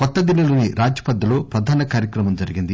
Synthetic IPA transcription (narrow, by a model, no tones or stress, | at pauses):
kɔt̪ːɐd̪ilːɐluːniɾʔaːd͡ʒjɐ̥pɐd̪ːɐloːpɾɐd̪ʱaːnɐkaːɾjɐkɾɐmɐmd͡ʒɐɾiɡind̪i